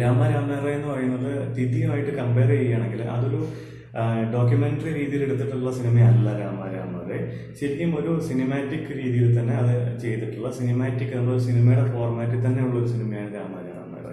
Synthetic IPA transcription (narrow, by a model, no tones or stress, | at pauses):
ɾaːmaːɾaːmːerejenːɨpɐrɐjunːɐðɨd̪iðijumaːjiʈːɨkɐmpe̞ːrt͡ɕejːaːɳe̞ŋɡilɐ̰ðo̞ɾu | ɖo̞ːk̬ʲjumeɳʈɐriɾiːðijileɽut̪ːiʈːuɭːɐsinimɐjɐlːɐɾaːma̰ːɾa̰ːmːa̰ːre | ɕeɾikːumo̞ɾusinimaːtːikːɨɾiːðijilt̪ɐnːe̞ɐðɨt͡ɕe̞jt̪ːiʈːuɭːɐsinimaːtːikːɨɐlːoɾusinimɐjuɽefo̞ːrmaːtːɨt̪̬ɐnːe̞iʋɭːeo̞ɾusinimɐjaːɳɨɾaːma̰ːɾa̰ːmːḛːrḛ